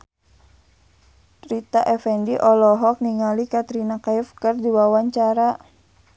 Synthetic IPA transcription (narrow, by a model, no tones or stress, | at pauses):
rit̪aʔɛfɛndiʔɔlɔɦɔk̚niŋalikat̪ɾinakaifkərdiwawaɲt͡ʃaɾa